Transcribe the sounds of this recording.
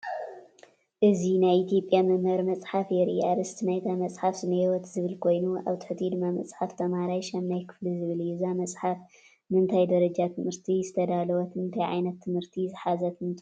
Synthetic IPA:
ʔɨzinajit̪ʰijo̞pʼjamɨmɐɾmɐt͡sʼħafjɛɾɨ̰ʔiad̪ɨst̪najt̪ʰamɐt͡sʼħafzɨmɐjwɔt̪zɨβɨlkʰo̞jnua̰βt̪ʰɨ̥ħɨt̪ʰid̪ɨmːamɐt͡sʼħaft̪ʰɐmaɾajʃɐmnajkʰɨ̥flizɨβɨljɛzamɐt͡sʼħaf | nɨɨnt̪ʰajd̪ɐɾɐd͡ʒat̪ʰɨmɨɾt̪ʰizɨt̪ʰɐd̪alɐwɔt̪ʰɨnt̪ʰajʕa̰jnɐt̪ʰːɨmhɨɾt̪ʰizɨħazɐt̪ʰɨmt̪ʼ

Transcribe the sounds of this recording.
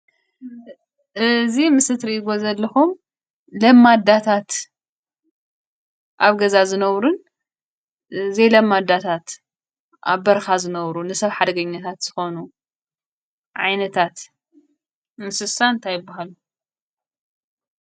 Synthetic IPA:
ʔɨzimɨsɨt̪ɾiʔɡo̞zɐlːɐxum | lɐmːad̪at̪ʰat̪ | ʔaβɡɐzazɨnɐβɾun | ɨzejlɐmːad̪at̪ʰat̪ | ʔa̰βbɐɾxazɨnɐβɾunɨsɐβħad̪ɐɡɐɲːat̪ʰat̪z̥ɨxo̞nu | ʕajnɐt̪ʰat̪ | mɨsɨsant̪ʰajɪbːaɦalu

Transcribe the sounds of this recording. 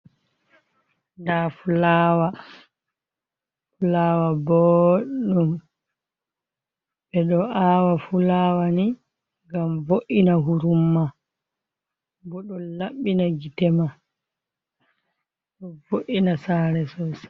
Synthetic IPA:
ndafulawa | fulaːwabɔɗum | bɛɗɔʔawafulawani | ɡamvoʔinaɦuɾumːa | bɔɗɔnlaɓːinaɡitɛma | ɗɔvoʔinasaːɾɛsɔs

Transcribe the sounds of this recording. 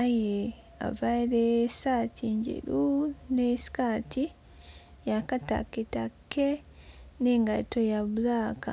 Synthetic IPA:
aje | a̰vaɾesatʰiɲɟḛɾunesi̥kaːti | jakata̰ketakːe | neŋɡaitojaβulaːka̰

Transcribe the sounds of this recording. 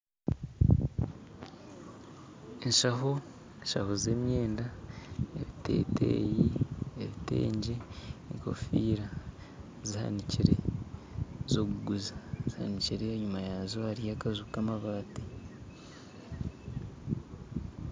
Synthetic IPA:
enʃaɦo | enʃa̰hoze̞mɲe̞ːndaḛβite̞̰ːtḛːjieβite̞̰ːɲɟeːŋko̞̰fiːɾa | ziha̰niciɾe̞̰ | zoɡuɡuzaziha̰niciɾe̞ɲumajazohaɾijakazukamaβaːte

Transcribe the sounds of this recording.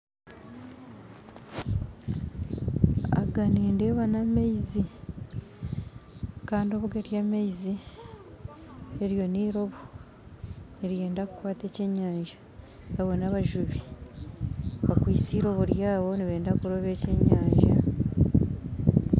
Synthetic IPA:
a̰ɡaneːndeβanamejzi | kaːndio̞ːβuɡeɾjamejzi | eɾjo̞niːɾo̞βu | neɾije̞ːndaku̥kwaːte̞ːce̞ɲːaːɲʒḁ | aβo̞naβaʒuβi | βakwiːsiɾo̞βuɾjaːβo̞niβe̞ːndakuɾoβe̞ːceɲːaːɲʒa

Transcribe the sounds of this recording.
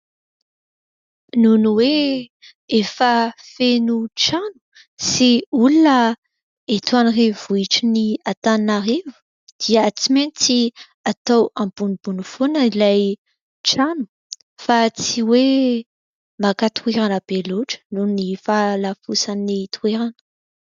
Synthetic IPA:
nunuwe | efəfenuʈ͡ʂanu̥ | siulunə | et̪uanirevuiʈ͡ʂiniat̪annaɾevu̥ | d̪̥iət͡siment͡si | at̪awambunibunufonəilaj | ʈ͡ʂanu̥ | fat͡siwe | makat̪ʰueɾanəb̥eloʈ͡ʂə̥nunnifalafusanit̪ueɾanə̥

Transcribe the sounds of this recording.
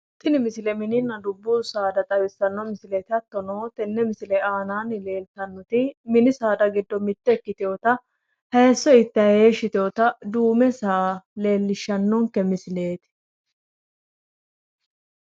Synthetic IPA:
t̪ʼːɪnɪmɪsɪlɛmɪnɪnːɐd̪ʊbːuːsaːd̪ɐt̪ʼɐbɪsːɐnːɔmɪsɪlɛt̪ɪɐt̪ːɔnoːt̪ɛnːɛmɪsɪlɛaːnaːnɪle̞ːlt̪ɐnːɔt̪ɪmɪnɪsaːd̪ɐɡɪd̪ːɔmɪt̪ːɛkːɪt̪ɪjot̪ɐ | hɐɛsːɔɪt̪ːɐheːʃːɪt̪ɪjoːt̪ɐd̪uːmɛsaːle̞ːlːɪʃːɐnːɔŋkɛmɪsɪle̞ːt̪ɪ̥

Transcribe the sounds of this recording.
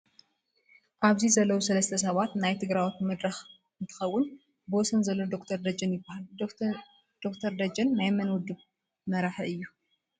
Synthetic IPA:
ʔaβzizɐlːɐwusɐlɐst̪ʰɐs̬ɐβat̪najt̪ʰɨɡɾawit̪mɐd̪ɾɐx | ɨnt̪ʰɨ̥xɐwːʊn | bɨwɔsɐnzɐlːod̪okt̪ʰɐɾd̪ɐd͡ʒɐnjɪbːahal | d̪̥okt̪ʰɐɾd̪ɐd͡ʒɐnmajɛmɐnwʊd̪ɨβ | mɐɾaħɨjːu

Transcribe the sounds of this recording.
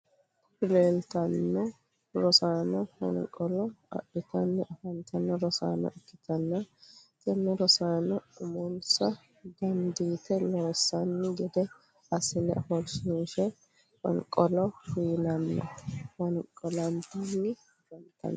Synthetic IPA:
pɪleːlt̪ɐnːɔ | ɾɔsaːnɔhɐ̰nkʼɔlɔɐ̰ʔɪt̪ɐnːɛʔɐfɐnt̪ɐnːɔɾɔsa̰ːnɔ̰ʔɛkːɪt̪ɐnːɐt̪ɛnːɛɾɔsaːnɔʊmɔnsɐ | ɡ̪ɐnd̪iːt̪ɛloːsːɐnːɪɡɛd̪ɛ | ɐsɪnɛ̰fɔlsniːʃɛ | wɔ̰nkʼɔlɔfiːnɐnːɐ̰wɐnkʼɔlɐnd̪inːɪ | ɡɐnt̪ɐ̰nː

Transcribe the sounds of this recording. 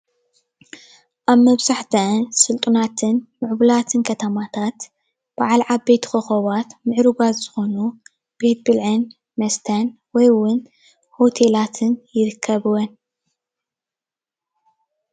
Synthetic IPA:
ʔaβmɐβzaħt̪ʰɐnsɨlt̪ʼunat̪ʰɨnmɨʕbulat̪ʰɨnkʰɐt̪ʰɐmat̪ʰat̪ | b̥aʕalʕabe̞t̪ʰxoxoβat̪mɨʕɾuɡazzɨxo̞nu | b̥e̞t̪̚bɨlʕɨn | mɐst̪ʰɐn | wɔjwʊn | ho̞t̪ʰe̞lat̪ʰɨnjɪɾɨkʰːɐβɨwɔn

